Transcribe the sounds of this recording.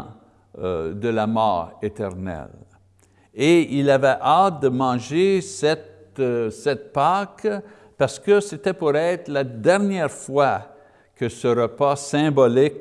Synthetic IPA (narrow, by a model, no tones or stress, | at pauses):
d̪əlamɔ̰ːʁet̪ɛʁnɛ̰l | eilavɛʔat̪̚d̪əmɑ̃ːʒesɛt̪sɛt̪̚pak | paʁsə̥kəset̪ɛpuʁɛt̪lad̪ɛʁnjɛʁfwa | kəsəʁəpasɛ̃bɔlik